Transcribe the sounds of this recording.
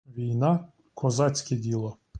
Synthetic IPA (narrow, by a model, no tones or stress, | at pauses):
vijna | kʰozat͡sʰʲkʲʰid̪ilˠa